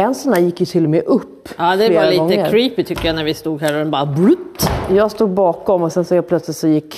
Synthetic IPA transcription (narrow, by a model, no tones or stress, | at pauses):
ɛnsɔnd̪æːɾjɪkːjɵt̪ʰɪlːɔmɛʔɵpːɑːd̪ɛleːɾaliːɡɔŋəːəkɾʰɾiːpɪt̪ʰʏkːəjɑnæɾvɪst̪uːɡɦæɾɔɛnbɑːɾabɾʉt̪ːjɑːɡst̪uːɡ̚bɑːkɔmɔsɛnsɔɛpʰlœt̪slɪt̪sɔjɪkʰː